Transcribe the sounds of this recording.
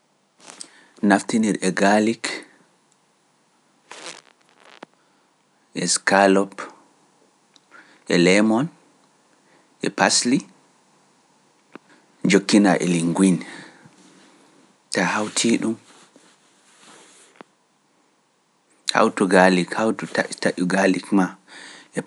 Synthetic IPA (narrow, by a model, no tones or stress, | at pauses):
naftiniɾɛɡalik | ʔɛskalɔp | ʔɛlɛmɔn | ʔɛ̰pasli | d͡ʒokːinaʔɛ̰liŋɡwin | tahawtʰiɗum | ha̰wtuɡalikhawtutataʔuɡalikmaɛ